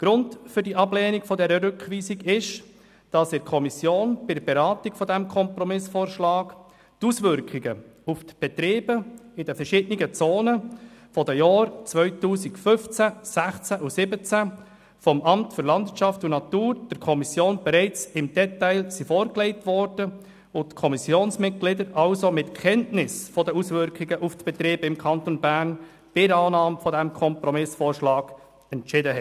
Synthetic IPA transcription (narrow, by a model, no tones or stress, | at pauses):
ɡ̥ɾʊndfʏɾdiʔɑbleːniɡfɔdɛɾəɾʏkʋiːsiɡɪʃ | d̥ɑsɪɾkʰɔmisjoːnb̥ɪdəɾbeɾɑːtikfɔdæmkʰɔmprɔmɪsfoːɾʃlɑːɡ | tusʋʏɾkχiɡəuft̪b̥ɛt̪ɾeːb̥əɪdəfərʃɪd̥əniɡət͡soːnəfɔdəjɑːɾt͡sʋœʏtuːsikfʏft͡sæsæχt͡sæʔusɪbət͡sæ | fɔmʔɑmtfʏɾlɑndviət͡ʃɑftunɑtuːɾd̥əɾkʰɔmisjoːnbɛɾɛɪt͡sɪmd̥ɛtæɪlsifɔːɾkleɪtʋɔɾd̥ə | otkʰɔmisjoːnsmɪt̚ɡ̥lɪdəɾʔɑlsomɪtkʰɛntnɪsfɔdəusʋʏɾkχɪɡəʔuft̪b̥ɛt̪ɾiːbɪmkʰɑnt̪onbæːɾn | b̥ɪɾɑːnɑːmfɔdæmkʰɔmpɾɔmɪsfɔːɾʃlɑːɡ̥ | ɛntt͡ʃɪdəɦɛ